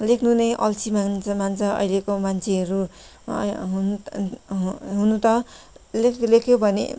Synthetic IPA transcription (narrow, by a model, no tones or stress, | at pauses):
lekʰnunʌjʔʌlt͡sʰimaŋnt͡sʰʌmant͡sʰʌʌ̰jlekomant͡sʰeɦʌɾu | ɦunɦɦunut̪ʌ | lekʰlekʰjobʱʌnḛ